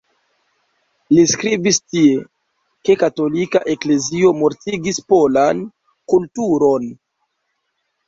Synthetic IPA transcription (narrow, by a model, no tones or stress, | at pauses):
liskɾibistie̞ | ke̞kato̞likaʔe̞kle̞zio̞mo̞ɾtiɡispo̞lan | kultuɾo̞n